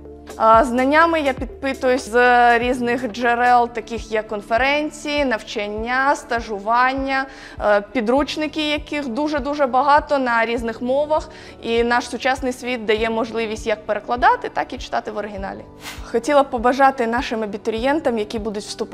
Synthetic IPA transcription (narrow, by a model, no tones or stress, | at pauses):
znɐnʲːamɪjapʲid̪̚pɪt̪ʊjʊsʲzɾʲiznɪxd͡ʒeɾɛlˠt̪ɐkʲɪxjɐkːɔnfeɾɛnʲt͡sʲijinɐwt͡ʃɐnʲːast̪ɐʒʊʋɑnʲːɐ | pʲid̪ɾut͡ʃnɪkʲɪjɐkɪxd̪uʐɛd̪uʒɛbɐɦɑt̪ɔnɐɾʲiznɪxmɔʋɐx | inɑʃsʊt͡ʃɑsnɪjsʲʋʲit̪̚d̪ɐjɛmɔʒlˠɪʋʲisʲtʲjɐk̚peɾeklˠɐd̪ɑt̪ɪt̪ɑkit͡ʃɪ̥t̪ɑt̪ɪʋɔɾɪɦʲɪnɑ̰lʲḭ | xɔtʲilˠɐpɔbɐʒɑt̪ɪnɑʃɪmɐbʲit̪ɔɾʲɪjɛnt̪ɐmjɐkʲibud̪ʊtʲʋst̪ʊp